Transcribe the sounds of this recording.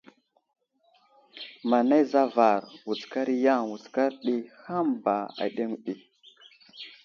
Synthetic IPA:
ma˨na˦jza˦va˨ɾwu˨t͡ska˦ɾi˦ja˦ŋwu˨t͡ska˦ɾɗi˦ha˦mba˨a̰˨ɗe˦ŋ˨ɗi˨

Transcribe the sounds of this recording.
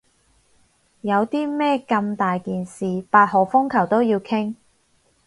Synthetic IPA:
jɐ˨˧wt̪iː˥mɛː˥kɐ˧mt̪aː˨jkiː˨nsiː˨paː˧t̚hɔː˨˩fʊ˥ŋkʰɐ˨˩wt̪o˥wjiː˧wkʰɪ˥ŋ

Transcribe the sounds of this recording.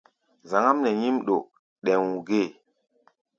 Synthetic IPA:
za˨ŋa˦mnɛ˨ɲi˦mɗo˨ | ɗɛ˨ŋwu˨ɡe˦˨

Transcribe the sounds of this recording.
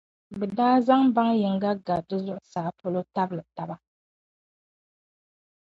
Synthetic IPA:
bɛ˨daː˦za˦ŋba˦ŋjɪ˨ŋ˦ɡa˦ɡa˨dɨ˦zʊ˦ʔʊ˦saː˨po˦lo˦ta˦bɨ˦lɨ˨ta˨ba˦

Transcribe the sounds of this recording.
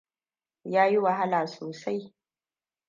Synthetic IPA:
jaː˦ji˦wa˨ɦa˦laː˨soː˨sa˦j

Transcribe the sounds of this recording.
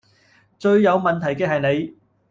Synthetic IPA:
t͡ʃɵ˧ɥːɐ˨˧wmɐ˨nt̪ʰɐ˨˩jkɛː˧ɦɐ˨jne˨˧j

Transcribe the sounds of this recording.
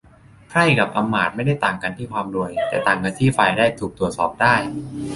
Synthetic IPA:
kʰɾa˥˩jka˨˩p̚ʔa˧mːaː˨˩t̪̚ma˥˩jda˥˩jt̪aː˨˩ŋka˧nt̪ʰiː˥˩kʰwaː˧mɾu˧əjt̪ɛː˨˩t̪aː˨˩ŋka˧nt̪ʰiː˥˩fa˧jdaː˥˩jt̪ʰuː˨˩k̚t̪ɾu˨˩ət̪̚sɔː˨˩p̚daː˥˩j

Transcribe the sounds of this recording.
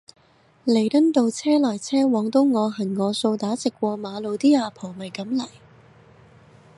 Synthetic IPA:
le˨˩jt̪ɐ˥nt̪o˧wt͡sʰɛː˥lɐ˨˩jt͡sʰɛː˥wɔː˨˥ŋt̪o˥wŋɔː˨˧ɦɐ˨˩nŋɔː˨˧so˧wt̪aː˨˥t͡sɪ˨kːwɔː˧maː˨˧lo˨˧wt̪iː˥aː˧pʰo˨˩wmɐ˨jkɐ˨˥mlɐ˨˩j

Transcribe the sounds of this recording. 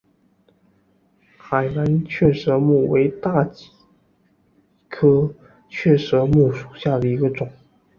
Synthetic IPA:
xa˨˩ɪla˧˥nt͡ɕʰɥɛ˥˩ʂɤ˧˥mu˥˩we˧˥ɪt̪a˥˩t͡ɕi̥˨˩ | kʰɤ˥ | t͡ɕʰɥɛ˥˩ʂɤ˧˥mu˥˩ʂu˨˩ɕja˥˩d̪ə˩i˧˥ɡə˧ʈ͡ʂʊ˨˩˦

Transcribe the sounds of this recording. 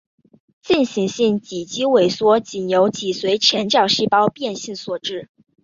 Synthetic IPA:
t͡ɕi˥˩nɕi˧˥ŋɕi˥˩nt͡ɕi˨˩t͡ɕi˥we˨˩ɪswɔ˥t͡ɕi˨˩njo˧˥ʊt͡ɕi˨˩swe˧˥ɪt͡ɕʰjɛ˧˥nt͡ɕjɑ˨˩ʊɕi˥˩pɑ˥ʊpjɛ˥˧nɕi˥˩ŋswɔ˨˩ʈ͡ʂɻ̩˥˩

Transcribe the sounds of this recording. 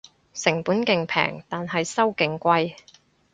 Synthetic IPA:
sɪ˨˩ŋpuː˨˥nkɪ˨ŋpʰɛ̰ː˨˩ŋt̪aː˨nɦɐ˨jsɐ˥wkɪ˨ŋkʷɐ˧j

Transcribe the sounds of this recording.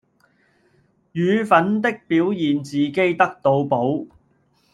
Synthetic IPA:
jyː˨˧fɐ˨˥nt̪ɪ˥k̚piː˨˥wjiː˨nt͡siː˨ke˥jt̪ɐ˥k̚t̪o˧wpo˨˥w

